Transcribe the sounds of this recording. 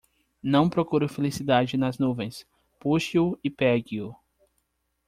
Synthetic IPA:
nɐ̃w̃pɾokuɾʊfelisid̪ad͡ʒɪnɐznuvẽj̃s | puʃiʊipɛɡiʊ

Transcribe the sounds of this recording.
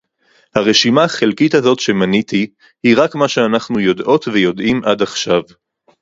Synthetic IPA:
haʁe̞ʃimaχelkithazo̞tʃe̞manit̪i | hiʁakmaʃeanaχnujo̞dʔo̞tve̞jo̞dʔimʔadaχʃav

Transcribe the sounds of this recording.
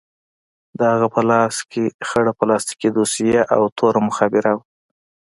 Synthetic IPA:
d̪əhaɣapəlɑskʰexəɽapəlɑst̪i̥kid̪usijaʔawt̪ʰoɾamʊxɑbɪɾaw

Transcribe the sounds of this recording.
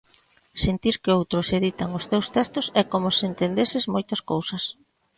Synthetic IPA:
sent̪iɾkɪowt̪ɾʊseðit̪aŋʊst̪ewst̪ɛst̪ʊsɛkomʊsent̪end̪esɪzmojt̪ɐskowsɐs

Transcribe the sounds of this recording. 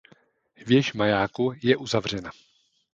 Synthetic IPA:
hvjɛʃmajaːkujɛʔuzavr̝ɛna

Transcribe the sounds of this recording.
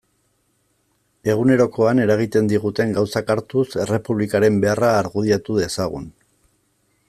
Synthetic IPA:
e̞ɣune̞ɾo̞ko̞ane̞ɾaɣit̪e̞nd̪iɣut̪e̞ŋɡawsakaɾt̪use̞re̞puβlikaɾe̞mbe̞araːɾɣuð̞iat̪uðe̞saɣ̞un

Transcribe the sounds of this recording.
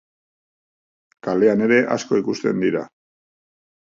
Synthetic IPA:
kale̞ane̞ɾe̞ʔa̰sko̞ikust̪e̞nd̪iɾa

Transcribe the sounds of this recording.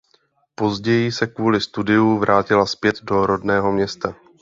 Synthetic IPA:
po̞zɟɛjɪsɛkvuːlɪst̪udɪjuvɾʔaːcɪlaspjɛt̪do̞ɾo̞dnɛːɦo̞mɲɛst̪a

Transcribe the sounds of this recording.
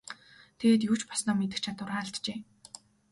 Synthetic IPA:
t̪ʰeɣeːt̪juːt͡ɕpɔsnɔːmet̪ɘ̆kt͡ɕʰat̪ʊ̆raːɬt̪t͡ɕeː

